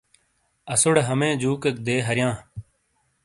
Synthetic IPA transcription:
əsʊɽɦəmẽːd͡ʒuːkək̚d̪eːɦəɾɪjãː

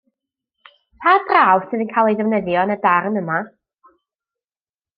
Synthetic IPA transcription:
pʰaːdraːwsɨːðənkʰajlˠejdəvnəðjɔnədarnəma

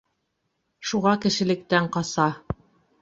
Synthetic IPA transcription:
ʃuʁɑkɘ̆ʃɘ̆lɘ̆k̚t̪æɴqɑsɑ

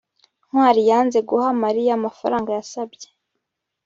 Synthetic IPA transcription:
nhwaːɾijaːnze̞ɡuhamaɾijamafaɾaːŋɡajasabje

